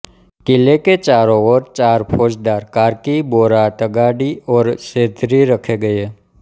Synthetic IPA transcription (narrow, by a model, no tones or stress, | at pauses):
kɪleket͡ʃaːɾoɔːɾt͡ʃaːɾpʰoːd͡ʒd̪aːɾkaːɾkiboːɾaːʈ̪əɡaːɽiɔːɾseːd̪ɾiɾəkʰeɡəe